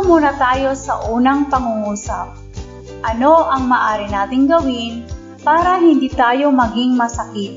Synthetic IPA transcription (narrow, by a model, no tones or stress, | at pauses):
muːnɐt̪aːjo̞sɐ̰ʔuːnɐŋpɐŋuŋuːsɐp̚ | ʔɐno̞ʔɐŋmaːʔaːɾɪnaːt̪ɪŋɡɐwɪn | paːɾɐhɪnd̪iːt̪aːjo̞mɐɡɪŋmɐsɐkɪt̪̚